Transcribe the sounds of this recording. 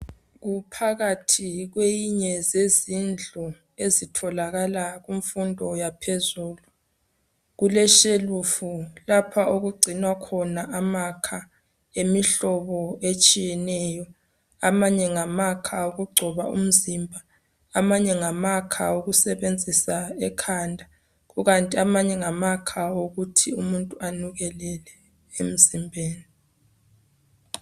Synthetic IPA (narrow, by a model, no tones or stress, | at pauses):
ɣupʰaɣatʰiɣwejiɲɛzezind͡ɮʱu | ezitʰɔlaɣalaɣuɱfundʱɔjapʰezuːlu | ɣulɛʃelufulapʰaʔoɣuɡ͡ǀʱinwakʰɔnaʔamakʰa | emiɬɔβɔet͡ʃʼijɛnɛːjɔ | amaɲɛŋamakʰaoɣuɡ͡ǀʱɔβaṵm̩zimbʱa | amaɲɛŋamakʰa̰oɣusɛβend͡zʱisaɛkʰandʱa | ɣuɣantʼiamaɲɛŋamakʰaoɣutʰiumuntʼuanuɣɛlɛlɛ | ḛm̩zimbʱeːni